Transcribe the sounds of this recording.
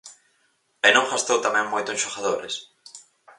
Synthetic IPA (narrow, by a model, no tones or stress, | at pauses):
enõŋɡast̪owt̪amɛ̃ŋmojt̪ʊẽnʃoɣaðoɾḛs